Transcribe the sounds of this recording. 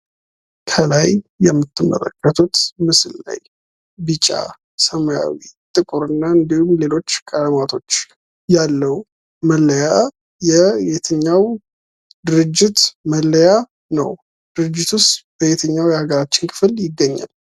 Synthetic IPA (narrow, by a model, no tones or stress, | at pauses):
kʰəlajjɛmːɨt̪ʰːɨmːə̰lə̰kʼːət̪ʰut̪mɨsɨlla̰j | bɨt͡ʃʼa̰ | səmja̰wit̪ʼɨkʼuɾɨnːaɨnd̪ihumle̞lo̞t͡ʃːkʼələmat̪ʰo̞t͡ʃː | jalːəw | məlːəja | jɛjet̪ʰəɲːaw | d̪ɨɾɨd͡ʒːɪt̪məlːəja | nə̰w | d̪̥ɨɾɨd͡ʒːɪt̪ʰust̪b̥əjet̪ʰəɲːawjɛhaɡəɾat͡ʃːɪnkʰɨ̥fɨljɪɡːəɲːa̰l